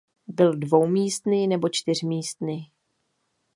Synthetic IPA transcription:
bɪldvo̞wmiːst̪nɪnɛbo̞t͡ʃt̪ɪr̝miːst̪nɪ

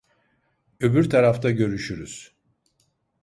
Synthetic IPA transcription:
øbyɾt̪ʰaɾaft̪ʰaɟø̞ɾyʃyɾyz̥

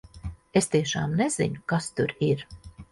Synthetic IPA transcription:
est̪iɛʃa̰ːmnez̥ḭɲukast̪uɾiɾ

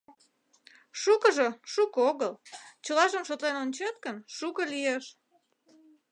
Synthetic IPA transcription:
ʃukəʒeʃukoɣəlt͡ɕəlɑʒəmʃot̪lenonʲt͡ɕet̪̚kənʃukəlijeʃ

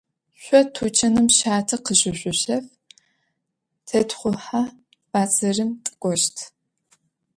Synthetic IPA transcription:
ɕʷɔtʰut͡ʃʰɐnɨmʃaːtʰɐqəɕʼɪɕʷʼʊɕɐf | tʰɐtχʷʊħa | baːt͡sʼɐrɨmtʼɨ̥kʷʼɔʃtʰ

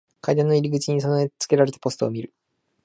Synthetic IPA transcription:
kajd̪ãnːo̞iɾʲiɡɯ̟t͡ɕiɲ̟is̬onoet͡sɨ̥ke̞ɾaɾe̞t̪ḁpo̞sɨ̥t̪o̞̰ːmʲiɾɯ̟

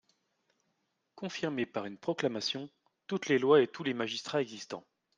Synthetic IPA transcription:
kɔ̃fiʁmepaʁynpχɔklamasjɔ̃ | t̪ut̪lelwaet̪ulemaʒist̪χaɛɡzist̪ɑ̰̃

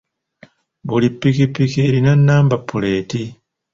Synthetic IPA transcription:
βulipːikipːikiɾinanːaːmbapːuleːti

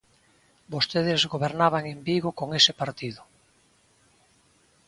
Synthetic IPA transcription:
bost̪eðezɣoβeɾnaβaŋembiɣokoŋesɪpaɾt̪iðʊ

